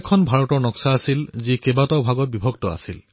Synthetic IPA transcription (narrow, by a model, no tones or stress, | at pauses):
ɛkʰɔnbʱaɹɔtɔɹnɔksaːsilzikebatawbʱaɡɔt̚bibʱɔɡtɔa̰sil